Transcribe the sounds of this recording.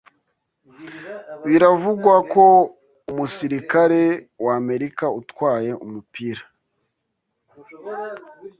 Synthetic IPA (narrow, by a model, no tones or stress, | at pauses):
βiɾavuɡwako̞ | umusiɾikaɾe̞wame̞ɾikautwaːje̞ʔumupiɾḁ